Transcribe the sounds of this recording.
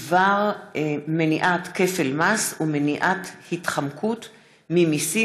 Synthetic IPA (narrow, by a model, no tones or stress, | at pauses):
vaʁmeniʔatke̞fe̞lmasumeniʔathitχamkʰut | mimisi